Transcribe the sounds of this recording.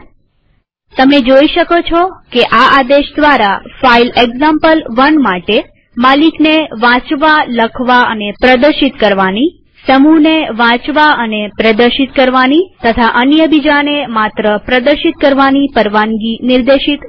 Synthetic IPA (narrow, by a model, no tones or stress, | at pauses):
t̪əmed͡ʒoiʃəkot͡ʃʰɔkeʔaad̪eʃd̪ʋaɾafaileɡzampəlʋənmaʈe | malikneʋãt͡ʃʋaləkʰʋaə̰nepɾəd̪əɾʃit̪kəɾʋani | səmuneʋãt͡ʃʋaənepɾəd̪əɾʃit̪kəɾʋanit̪ət̪ʰaʔənjəbid͡ʒanemat̪ɾəpɾəd̪əɾʃit̪̚kəɾʋanipəɾʋaŋɡinɪɾd̪eʃit̪